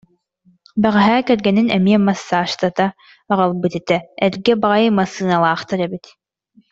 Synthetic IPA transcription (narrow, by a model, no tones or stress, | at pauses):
bɛʁɛɦæːkɛɾɡɛninɛmiɛmɐsːaːʃt̪at̪aː | ʁalˠbɯt̪ɛt̪ɛɛɾɡɛbaʁɑjɯmɐsɯːnalˠaːχt̪aɾɛbit̪